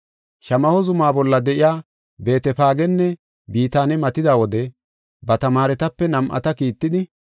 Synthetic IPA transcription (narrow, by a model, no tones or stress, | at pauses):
ʃɐmɐhɔzʊmaːbɔlːɐd̪ɛʔɪjaː | be̞ːt̪ɛpaːɡɛnːɛ | biːt̪aːnɛmɐt̪ɪd̪aːwɔd̪ɛ | bɐt̪ɐmaːɾɛt̪ɐpːɛnɐmʔɐ̰t̪ɐkiːt̪ːɪd̪ɪ